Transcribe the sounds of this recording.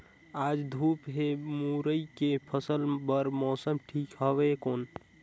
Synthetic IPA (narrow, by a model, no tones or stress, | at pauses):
ad͡ʒd̪ʱupɦemuɾəjkepʰəsəlbəɾmɔsəmʈʰikɦəbekon